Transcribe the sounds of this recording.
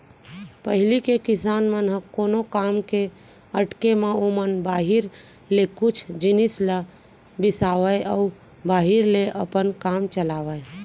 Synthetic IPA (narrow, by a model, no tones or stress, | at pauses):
pəɦilikekisanmənɦəkonokamke | əʈkemeomənbaɦiɾ | lekut͡ʃʰd͡ʒinislə | bisaʋəjʔəu | baɦiɾleʔəpənkamt͡ʃəlaʋəj